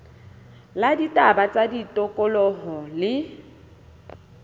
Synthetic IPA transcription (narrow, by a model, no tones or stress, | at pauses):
laditʼabat͡sʼaditʼɔkʼɔlɔɦɔlɪ